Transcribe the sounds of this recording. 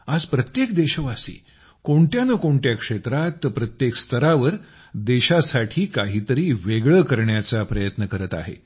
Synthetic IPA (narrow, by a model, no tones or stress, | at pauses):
ad͡zpɾət̪jekd̪eɕəʋasḭː | koɳʈ̪janəkoɳʈjakʂet̪ɾat̪ːəpɾət̪jekst̪əɾaʋəɾ | d̪eɕasaʈʰiːkaɦiːt̪əɾiːʋeɡɭəkəɾɳjat͡sapɾəjət̪nəkəɾət̪a̰ɦḛ